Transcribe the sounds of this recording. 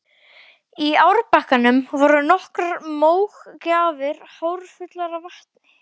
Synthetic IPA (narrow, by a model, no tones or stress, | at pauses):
iawɾpahkanʏmvɔɾʏnɔhkɾaɾmoːwxcaːvɪɾ̥haːwɾfʏt̪laɾavaht̪nɪ